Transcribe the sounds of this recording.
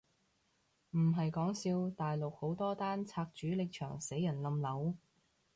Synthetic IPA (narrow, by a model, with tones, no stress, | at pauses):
m̩˨˩ɦɐ˨jkɔː˨˥ŋsiː˧wt̪aː˨jlo˨k̚ho˨˥wt̪ɔː˥t̪aː˥nt͡sʰaː˧k̚t͡ʃyː˨˥lɪ˨k̚t͡ʃʰœ̰ː˨˩ŋse˨˥jɐ˨˩nlɐ˧mlɐ˨˥w